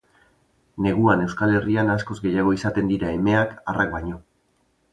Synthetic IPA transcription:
ne̞ɣ̞uane̞wskale̞rianasko̞zɡe̞jaɣ̞o̞isat̪e̞nd̪iɾae̞me̞akarakbaɲo̞

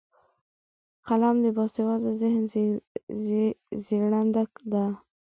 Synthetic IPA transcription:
qalamd̪əbɑsewɑld̪əzɪhn | ziɾɳand̪akd̪a

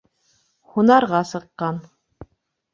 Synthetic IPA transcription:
hunɑɾʁɑsɤ̆qːɑn

